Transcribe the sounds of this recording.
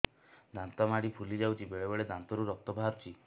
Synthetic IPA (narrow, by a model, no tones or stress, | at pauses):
d̪ant̪ɔmaɽipʰulid͡ʒawt͡ʃʰibeɭebɔɭed̪ant̪ɔɾuɾɔk̚t̪ɔbʱaɾt͡ʃʰi